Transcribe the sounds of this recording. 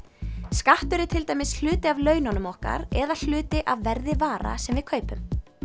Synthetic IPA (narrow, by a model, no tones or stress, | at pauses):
skaht̪ʏɾɪt̪ʰɪlt̪aːjmɪsl̥ʏːt̪ɪavlœːɥnanʏmɔhka̰ɾɛðal̥ʏːt̪ɪʔavːɛɾðɪvaːɾa̰sɛmvɪðkʰœːɥpʏm